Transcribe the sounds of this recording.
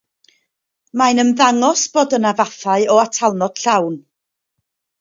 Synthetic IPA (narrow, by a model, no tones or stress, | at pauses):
majnənðaŋɔsb̥oːdənavaθaɨɔatʰalˠnɔd̥ɬawn